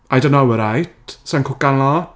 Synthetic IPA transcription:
ʔajdõnːowəɾajt̚sankʰʊkanlɔ

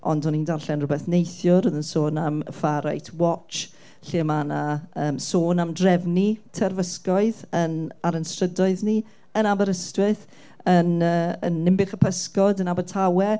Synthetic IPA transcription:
ʔɔ̰ndɔnindarɬɛnrʊbɛθnejθjʊroðənsoːnaməfaɾa̰jtʰwɔt͡ʃ | ɬimanaəːmsoːnamdrɛvnitʰɛrvəskɔɨðənaɾənstrədɔɨðni | ənabəɾəstwɪθ | ənəːə̰nːɪmbɪχəpʰəskɔdənabətʰawɛ

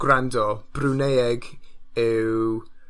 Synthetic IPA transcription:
ɡ̥randɔb̥runejɛɡɪw

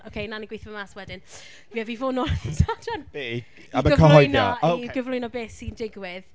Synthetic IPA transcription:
owkʰejnaniɡwejθvɔmaswɛdɪn | viɛvivoːnoːnitʰadɛne | aməɡəkʰɔɦɔjnjɔ̰iɡəvlˠʊjnɔbeːsindɪɡwɪð

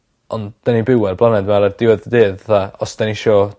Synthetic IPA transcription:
ɔnd̥anibɪwɛrblˠanɛdmaɾard̥ɪwɛðdeːðθaɔsd̥aniʃɔː

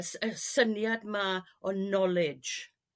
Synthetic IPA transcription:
ɛsənjadma | ɔnɔlɪd͡ʒ

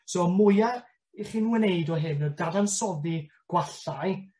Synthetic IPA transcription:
sɔmʊjar | iχiːnwəneɨdɔɦɨnɔdadansɔdi | ɡ̥waɬaj

